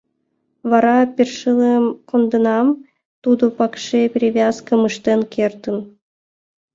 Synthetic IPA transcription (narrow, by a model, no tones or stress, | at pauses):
βɑɾɑpʲerʲʂɨlˠemkŏnd̪ɤ̆nɑm | t̪ud̪ŏpɑkʂepʲrʲivʲɑskə̆mɯʂt̪enkʲʰert̪ə̆n